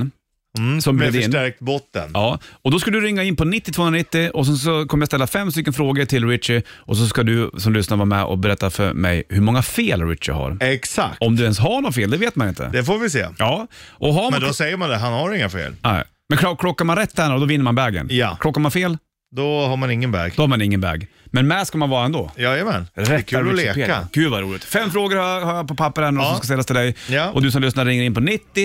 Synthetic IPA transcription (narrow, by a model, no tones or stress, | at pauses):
sɔmbɾɛd̪ɪʂnæɾk̚t̪bɔt̪ːə̰nɑːɔd̪ɔs̬kald̪ʉɾɪŋːaɪnːpɔnɪt̪ːɪt̪ʰoːnɾanɪt̪ːɪɔs̬ɛns̬ɔkʰɔməjast̪ɛlːafɛmːst̪ʏkːənfɾoːɡəʈʰɪlɾɪt̪ʂɪʔɔs̬ɔskad̪ɵsɔmlʏsnaɾvɑːɾamɛ̰ʔɔ̰bɛɾɛt̪ːafœ̰ɾmɛ̰jhɵɾmɔŋːafeːlɾɪ̰t̪ʂɪ̰ɦa̰ɾɛksa̰k̚ɔmd̪ɵɛnsɦaɳɔnfeːld̪ɛveːt̪̚manɪnt̪ʰə̰d̪ɛfoːɾvɪsḛːjɑːʔɔɦaɾmɛd̪ɔsɛjːəɾmand̪ɛɦanhaɾɪŋːafḛːlnɛ̰ɪ | mɛnkʰlɔkʰlɔkːaɾmanɾɛt̪ʰːɛːnaɾɔd̪ɔvɪnːəɾmanbɛːɡə̰njakʰlɔkːaɾmanfeːl | d̪ɔhamanɪŋːənbɛ̰ːɡd̪ɔhaɾmanɪŋːənbɛ̰ːɡmɛnmɛskamanvɑːɾaɛnd̪o̰ːjɑːmɛnɾɛtkʰːalːpeːa̰ɡ̥ʉ̟ːvaɾuːlɪɡt̪fɛmːfɾoːɡəɾhajhajapɔpʰapːəɾɛːnaɾɔsɔmskast̪ɛlːat̪ɪld̪ɛjjaʔɔd̪ɵsɔmlʏsnaɾɾɪŋːəɾɪnpɔnɪt̪ːɪ